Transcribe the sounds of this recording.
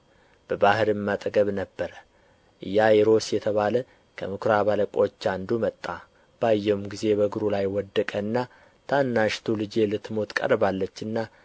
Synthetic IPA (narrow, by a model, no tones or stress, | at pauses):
b̥əbahɨɾɨmːat̪ʼɡəβnəbːəɾə | ʔɨ̰jːajeɾo̞sjɛt̪ʰəβalə | kʰəmɨkʰɾaβaləkʼo̞t͡ʃːand̪umət̪ʼːa | b̥ajːɛwmɡize̞βəɡɨɾulajwɔd̪ːəkʼənːa | t̪ʰanːaʃt̪ʰulɨd͡ʒe̞lɨt̪ːmo̞t̪kʼə̰ɾbalːət͡ʃːɨnːa